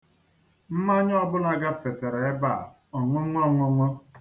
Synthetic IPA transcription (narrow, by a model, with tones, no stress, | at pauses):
m̩˦ma˦ɲ˦ɔ˦bʊ˦na˦ɡa˦fe˨te˨ɾe˨e˦ba̰˦˨ | ɔ˨ŋʷʊ˦ŋʷɔ˦˨ŋʷʊ˦ŋʷɔ˦